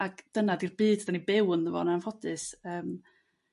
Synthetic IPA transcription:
aɡd̥ənadirbiːddanibɪwnðəvɔ̰naanfɔdɨsəːm

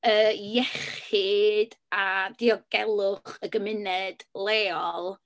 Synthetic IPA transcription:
əjɛχɪd̥adiɔɡɛlˠʊχəɡəmɪnɛd̥lˠeːɔlˠ

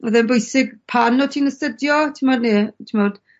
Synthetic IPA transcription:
əðɛnbʊjsɪɡpʰanɔtʰiːnəstədjɔtʰimɔdnitʰimɔd̥

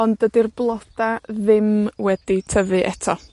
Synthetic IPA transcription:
ɔndədirblˠɔd̥aðɪmwɛd̥itʰəvɨʔɛtʰɔ

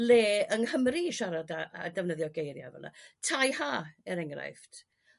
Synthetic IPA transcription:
leːəŋhəmriʃaɾadaːdɛvnəðjɔɡejɾja̰vɛ̰lˠna̰tʰajhaːɛɾɛŋra̰jftʰ

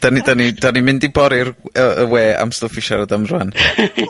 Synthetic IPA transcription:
d̥anidanid̥animɪndibɔɾɪrəəweːa̰mstʊfiʃaɾədamrwan

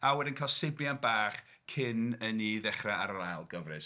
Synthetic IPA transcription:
awɛdɪnkʰalˠsebjanbaːχ | kʰɪnəniðɛχraaɾralˠɡəvrɨs

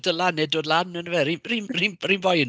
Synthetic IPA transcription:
dəlanɛdoːdlˠanənəvɛririnriːnrinbɔjn

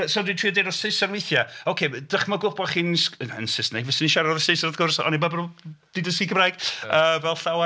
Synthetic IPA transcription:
soːdwitʰriːɔdejɾɔsɪsanwejθjaokʰed̥əχmɔɡʊb̥ɔχiːnsəə̰nsɪsnɛɡvɪsəniʃaɾaɔðəsesaəðɡʊrsɔ̰nibabɾd̥ɪdəsiɡəmrajɡ̥əːvɛlˠɬawa

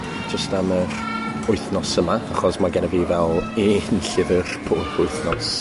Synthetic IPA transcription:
d͡ʒəstamər | ʊɨθnɔsəmaaχɔsmaɡɛnəvivɛlˠinɬɪvərpʰoːpʰʊɨθnɔs

